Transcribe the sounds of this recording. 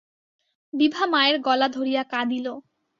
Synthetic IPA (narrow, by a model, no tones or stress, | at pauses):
bibʱamaeɾɡɔlad̪ʱoɾijakad̪ilo